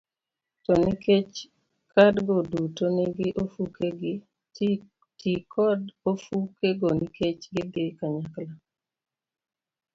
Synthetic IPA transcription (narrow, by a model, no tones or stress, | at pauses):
tɔniket͡ʃ | kadɡɔdutoneɡɪʔofukeɡɪ | tikɔdofukeɡɔniket͡ʃɡɪɡekaɲakla